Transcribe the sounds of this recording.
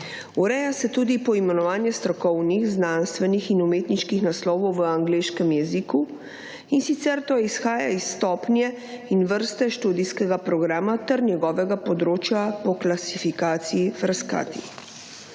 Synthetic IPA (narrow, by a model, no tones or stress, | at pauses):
uɾɛjasɛt̪uːd̪ipɔimɛnɔʋaːnjɛst̪ɾɔkɔwnixznanst̪ʋɛnixinumeːt̪niʃkixnaslɔːʋɔwʋəaŋɡleːʃkɛmjɛziku | insit̪sɛɾt̪oisxaːja̰isːt̪ɔːpnjɛ | inʋəɾst̪ɛʃt̪uːd̪iskɛɡapɾɔɡɾaːmat̪ɛɾnjɛɡɔːʋɛɡapɔd̪ɾoːt͡ʃjapɔklasifikaːt̪sijifɾaska̰ːt̪i